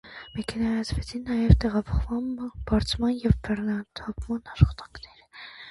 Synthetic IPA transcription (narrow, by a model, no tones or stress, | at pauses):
mɛkʰɛnɑjɑt͡sʰvɛt͡sʰinːɑjɛvt̪ɛʁɑpʰɔχvɑnb̥ɑɾt͡sʰmɑnjɛvbɛrnɑt̪ʰɑpʰmɑnɑʃχɑ̥t̪ɑ̥ŋkʰnɛɾə